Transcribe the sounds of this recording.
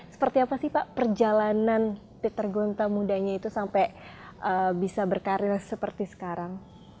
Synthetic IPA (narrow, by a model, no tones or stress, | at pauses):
sə̥pərt̪iapasihpaʔpərd͡ʒalanan | p̪it̪ərɡont̪amudaɲait̪usampɛʔəbisabərkaɾɪrsəpərt̪isə̥kaɾaŋ